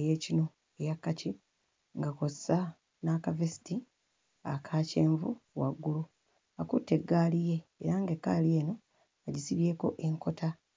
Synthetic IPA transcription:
eje̞ːcino̞ | ejakːaci | ŋɡakosa | nakavesi̥ti | akʰaːce̞ːɱvṵwa̰ɡːulu | akutːe̞ɡːaːlije̞̰ːɾaŋɡe̞kːalie̞ːno̞ | aɟisiβje̞ːko̞̰ʔe̞ŋko̞tʰa

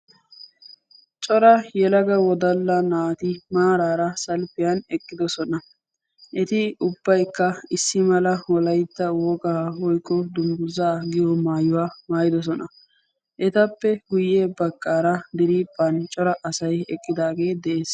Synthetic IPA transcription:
t͡ʃʼɔɾɐjɛlɐɡɐwɔd̪ɐlːɐnaːt̪ɪmaːɾaːɾɐsɐlpɪjɐnɛkʼːɪd̪ɔsɔnɐ | ʔɛt̪ɪʊbːɐjkːɐɪsːɪmɐlɐwɔlɐjt̪ːɐwɔɡɐhɔjkʼːɔd̪ʊmɡʊzaːɡɪjɔmaːjʊwaːmaːjɪd̪ɔs̬ɔnɐ | ʔɛt̪ɐpːɛɡʊjːeːbɐkʼːaːɾɐd̪ɪɾiːpʼːɐnt͡ʃʼɔɾɐʔɐsɐjɛkʼːɪd̪aːɡe̞ːd̪ɛʔeːs

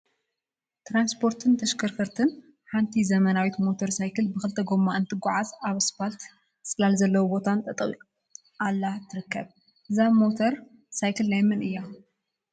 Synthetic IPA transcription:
t̪ɾamspʰo̞ɾt̪ʰɨnt̪ʰɐʃkʰɐɾkʰɐɾt̪ʰɨn | ħant̪ʰizɐmɐnawit̪mo̞t̪ʰoɾsajkɨlbɨxɨlt̪ʰɐɡo̞mːaɨnt̪ʰɨɡʷʊʕazaβɨspalt̪ | sʼɨlalzɐlːɐwubo̞t̪ʰant̪ʼɐt̪ʼɨɣi | ʔalːat̪ʰːɨɾɨkʰːɐβ | ʔɨzaβmo̞t̪ʰɐɾ | sajkʰɨlːajmɨnɨjːa

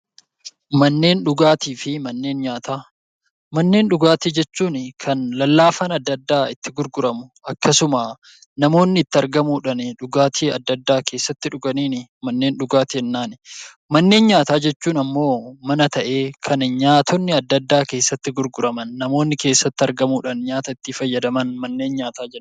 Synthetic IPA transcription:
mɐnːe̞ːnᶑʊɡaːt̪iːfɪmɐnːe̞ːnɲaːt̪aː | mɐnːe̞ːnᶑʊɡaːt̪id͡ʒɛt͡ʃːuːnɪkʰɐnlɐlːaːfɐnɐd̪ːɐd̪ːaːɪt̪ːɪɡʊɾɡʊɾɐmʊɐkːɐsʊmaː | nɐmo̞ːnːɪɪt̪ːɪɐɾɡɐmuːᶑɐnɪᶑʊɡaːt̪ʰiːɐd̪ːɐd̪ːaːkʰe̞ːsːɐt̪ːɪᶑʊɡɐniːnɪmɐnːe̞ːnᶑʊɡaːt̪ɪɪnːaːnɪ | mɐnːe̞ːnɲaːt̪aːd͡ʒɛt͡ʃːuːnɐmːo̞ːmɐnɐt̪ɐʔe̞ːkʰɐnɲaːt̪ʰɔnːɪɐd̪ːɐd̪ːaːke̞ːsːɐt̪ːɪɡʊɾɡʊɾɐmɐnːɐmo̞ːnːɪke̞ːsːɐt̪ːɪɐɾɡɐmuːᶑɐnɲaːt̪ɐɪt̪ːifɐjːɐd̪ɐmɐnmɐnːe̞ːnɲaːt̪aːd͡ʒɛ

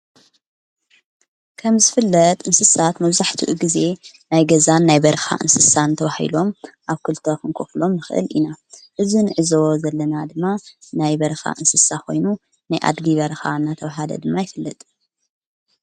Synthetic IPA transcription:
kʰɐmzɨfɨlːɐt̪ʼʔɨnsɨsat̪mɐβzaħt̪ʰiʔuɡize̞ | najɡɐzanːajbɐɾɐxa̰ʔɨ̰nsɨsant̪ʰɐβahḭlo̞mʔaβkʰɨlt̪ʰo̞xɨŋkʰoflo̞mnɨxɨʔɨ̰linaʔɨzinɨʕɨzozɐlːɐnad̪ɨmːanajbɐɾɐxa̰ʔɨnsɨsakʰo̞̰jnu | najʔa̰d̪ɡiβɐɾɐxanːat̪ʰɐβaɦad̪ɐ̰d̪ɨmːajɪfɨlːɐt̪ʼ

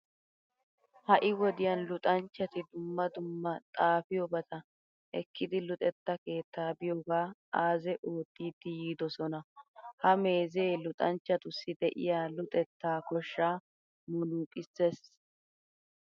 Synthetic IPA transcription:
hɐʔɪwɔd̪ɪjɐnlʊt̪ʼɐnt͡ʃːɐt̪ɪd̪ʊmːɐd̪ʊmːɐt̪ʼaːfɪjɔbɐt̪ɐ | ʔɛ̰kːɪd̪ɪlʊt̪ʼɛt̪ːɐke̞ːt̪ːaːbɪjoɡaːaːzɛʔo̞ːt̪ːiːd̪ːɪjiːd̪ɔsɔnɐhɐme̞ːzeːlʊt̪ʼɐnt͡ʃːɐt̪ʊsːɪd̪ɛʔɪ̰jaːlʊt̪ʼɛt̪ːaːkɔʃːaː | mʊnuːkʼɪsːes

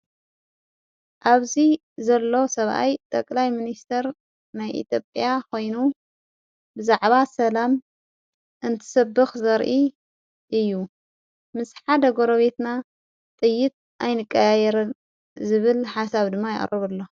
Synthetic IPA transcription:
ʔaβzi | zɐlːo̞sɐβʔa̰jt̪ʼɐkʼlajminist̪ʰɐɾ | najʔḭt̪ʰjo̞pʼjakʰo̞jnu | bɨzaʕβasɐlam | ʔɨnt̪ʰɨ̥sɐbːɨxzɐɾʔi | ʔɨjːu | mɨsħad̪ɐɡo̞ɾɐβet̪na | t̪ʼɨjːɪt̪̚ | ʔajnɨkʼːɐjajɛɾɨn | zɨβɨlħasaβd̪ɨmːajɪ̰ʔʼrɨβɨlːo̞

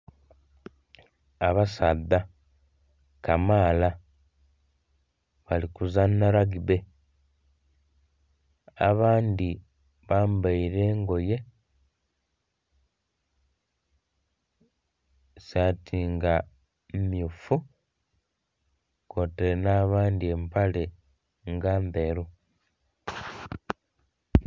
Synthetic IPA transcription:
aβasaðːa | kamaːla | βalikuzanːaɾaɡiβe̞ | a̰βaːnd̪i | βaːmbaiɾe̞ːŋɡo̞je̞ | satʰiːŋɡa | mmjufu | ko̞teɾenaːβaːndie̞mpale̞ | ŋɡaːmbe̞ɾu

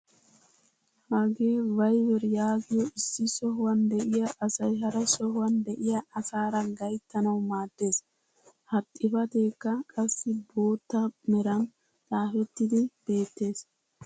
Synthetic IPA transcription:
haːɡeːvɐjwɛɾjaːɡɪjɔʔɪsːɪsɔɦʊwɐnd̪ɛʔɪjɐʔɐsɐjɦɐɾɐsɔhʊwɐnd̪ɛʔɪjɐɐsaːɾɐɡɐjt̪ːɐnɐwmaːd̪̥ːe̞ːs | hɐt̪ʼːɪfɐt̪eːkːɐkʼɐsːɪbo̞ːt̪ːɐmɛɾɐn | laːfɛt̪ːɪd̪ɪb̥e̞ːt̪ːe̞ːs

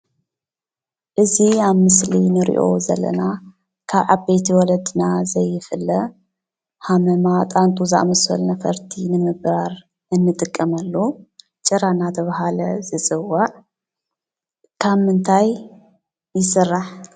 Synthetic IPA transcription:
ʔɨziaβmɨslinɨɾḭʔo̞̰zɐ̰lːɐ̰na | kʰaβʕaβbejt̪ʰiwɔlɐd̪ɨnazɐjːɪfɨlːɐ | hamɐmat̪ʼant̪ʰʼuzʔamɐsɐ̰lnɐfɐɾt̪ʰinɨmɨβɾaɾ | ʔɨnːɨt̪ʼɨkʼːɐmɐlːu | t͡ʃʼɨɾanat̪ʰɐβaɦalɐzɨt͡sʼɨwːaʕ | kʰaβmɨnt̪ʰajː | ɪsɨrːaħ

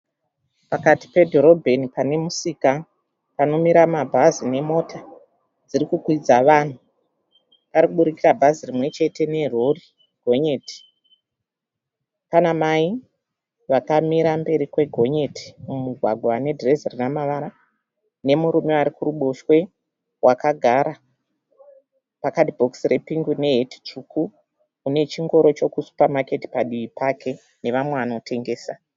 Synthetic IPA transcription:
pakati̥pe̞dʱo̞ɾo̞bʱe̞nipane̞musiːka | pano̞miɾamabʱazine̞mo̞tʰa | d͡zirikukwid͡zaʋaːn̤u | paɾikuɓuɾikirabʱazirimwe̞t͡ʃe̞te̞ne̞rori | ɡ̥ʱo̞ɲe̞ːti̥ | panamai | ʋakamiɾambe̞ɾikwe̞ɡʱo̞ɲe̞ti̥mumuɡʱwaɡʱwane̞drezirinamaʋaɾa | ne̞muɾume̞aɾikuɾuɓoʃwe̞ | wʔakaɡʱaɾa | pakadibʱoksirʔepiŋɡune̞ɦeti̥t͡ʃukuː | ne̞t͡ʃiŋɡo̞ɾot͡ʃo̞kusu̥pamake̞ti̥paɗiʋipakʰe̞ | ne̞ʋamweʋano̞tʰe̞ŋɡe̞ːsa

